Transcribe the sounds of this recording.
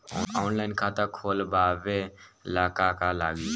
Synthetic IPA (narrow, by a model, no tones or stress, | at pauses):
ɔ̰ːaːnlaɪnkʰat̪akʰolbabelaːkakalaːɡi